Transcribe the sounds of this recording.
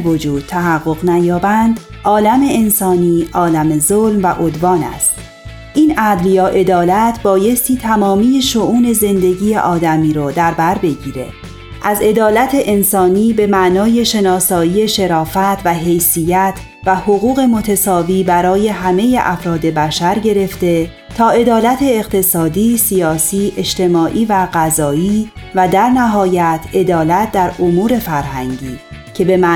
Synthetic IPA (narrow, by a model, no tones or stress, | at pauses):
vod͡ʒuːd̪̥̚t̪ʰæɦæɣːo̞ɣnæjɒːbænd̪ | ɒːlæmeensɒːniːʔɒːlæmezolmvæʔod̪vɒːnæ̰st̪ | ʔiːnæd̪ljɒːʔe̞d̪ɒːlæt̪ʰbɒːje̞st̪iːt̪ʰæmɒːmiːjeʃoʔuːne̞ze̞nd̪e̞ɟiːjḛʔɒːd̪æmiːɾɔːd̪æɾbæɾbe̞ɟiːɾe̞̰ | ʔæze̞d̪ɒːlæt̪ʰe̞ʔensɒːniːbe̞mæʔnɒːje̞ʃe̞nɒːsɒːiːe̞ʃe̞ɾɒːfæt̪ʰvæɦe̞jsiːjæt̪ʰ | væhoɣuːɣe̞mo̞t̪ʰesɒːviːbæɾɒːje̞ɦæme̞jeʔæfɾɒːd̪e̞bæʃæɾɟe̞ɾe̞ft̪e̞ | t̪ʰɒːe̞d̪ɒːlæt̪ʰe̞ːqt̪ʰe̞sɒːd̪iːsijɒːsiːʔe̞ʃt̪e̞mɒːʔiːvæɢæzɒːiːvæd̪æɾnæɦɒːjæt̪ʰe̞d̪ɒːlæt̪̚ʰd̪æɾomuːɾe̞fæɾhæŋɟiːcʰe̞be̞mæ